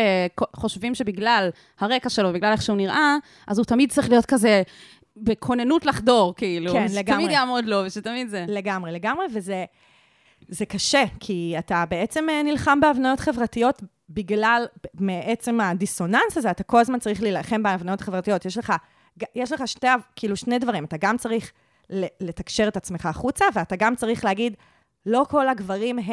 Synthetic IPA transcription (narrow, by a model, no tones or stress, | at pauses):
ekoχo̞ʃvimʃe̞biɡlal | haʁe̞kaʃelobiɡlaleχʃɛuniʁʔa | ʔazut̪amid̚t͡saʁiχlijo̞tkaze | bekʰonenutlaχdo̞ʁkiilukenlɡamid̪jamodloveʃetamidzeleɡamʁele̞ɡamʁe̞veze | ze̞kaʃe̞kʰiatabeet͡se̞menilχambeavnajo̞tχe̞vʁatijo̞t | biɡlalmeʔet͡se̞madiso̞nansazeat̪ako̞lazmant͡saʁiχlilaχe̞mbeavnajo̞taχevʁatijo̞t̪jeʃleχa | ɡajeʃleχaʃteakiiluʃne̞jdvaʁimat̪aɡamt͡saʁiχ | lele̞t̪akʃeʁe̞tat͡smeχaːχut͡saveataɡamt͡saʁiχleaɡid | lo̞ko̞laɡvaʁimɦ